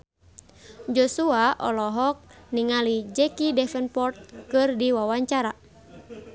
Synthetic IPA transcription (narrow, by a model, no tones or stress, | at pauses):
d͡ʒɔsuaʔɔ̰lɔɦɔk̚niŋalid͡ʒɛkidɛfɛnpɔrt̪̚kɨrdiwawaɲt͡ʃaɾa